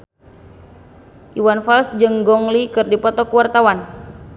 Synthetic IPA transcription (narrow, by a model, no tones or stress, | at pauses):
ʔiwanfalsd͡ʒɨŋɡɔŋlikɨrdipɔt̪ɔkuwart̪awan